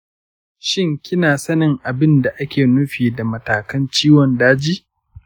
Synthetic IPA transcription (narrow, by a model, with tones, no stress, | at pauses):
ʃɪ˦ŋkʲɪ˦naː˨sɐ˦nɪ˨ŋʔa˨bɪ˦nda˨ʔa˦kʲeː˨nʊ˦ɸiː˨da˨mɐ˨taː˨kɐ˦nt͡ʃiː˦wɔ˨ndaː˦d͡ʒiː˦